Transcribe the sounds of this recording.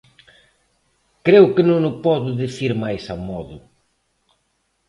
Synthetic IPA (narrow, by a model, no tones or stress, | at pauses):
kɾewkɪnõŋnʊpɔðʊðiθiɾmajsamɔðʊ